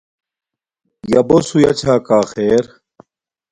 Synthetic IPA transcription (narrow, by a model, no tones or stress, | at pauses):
jɐbosujɐt͡ɕʰaːkaːxeːɾ